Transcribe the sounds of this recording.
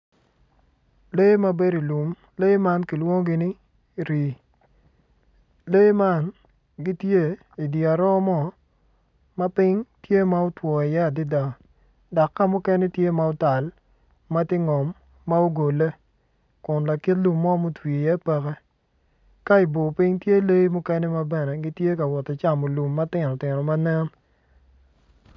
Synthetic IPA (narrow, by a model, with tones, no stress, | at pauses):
le˦ma˦be˦ɾi˨lu˨m | le˦ma˦nki˨lwo˦ŋ˦ɡɪ˦nɪ˦ | ɾi˨ | le˦jma˦n | ɡi˦tje˦ | i˨di˨a˨ɾɔ˦mɔ˦ | ma˦pɪ˦ŋtje˦ma˦ʊ˦twɔ˨i˨jɛ˦a˨dɪ˦da˨ | dɔ˨kːa˦mʊ˦kɛ˦ne˦tje˦ma˦o˦ta˨l | ma˦tɪ˦ŋɔ˨mː | a˦o˦ɡo˨le˦ | kʊ˨nla˨ki˦tlu˨mːɔ˦mo˦twi˨jɛ˦pɛ˦kɛ˦ | ka˦i˨bo˨pɪ˦ŋtje˦le˦jmʊ˦kɛ˦nɛ˦ma˦bɛ˦nɛ˨ɡi˦tje˦ka˨wɔ˨te˨t͡ʃa˨mo˨lu˨mːa˦tɪ˦nɔ˨tɪ˨nɔ˨ma˦nɛ˦n